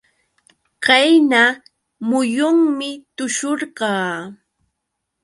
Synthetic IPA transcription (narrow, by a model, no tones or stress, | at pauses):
kajna | mʊjʊŋmɪt̪ʊʃoɾɢɑː